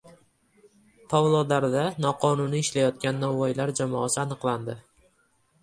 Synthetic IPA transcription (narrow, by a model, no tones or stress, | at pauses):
t̪ʰavlˠod̪aɾd̪anɒqʰɒnʊniːʃlajɒt̪̚kʲanːɒvɒjlaɾd͡ʒamɒːsɪanɨqlˠand̪ɪ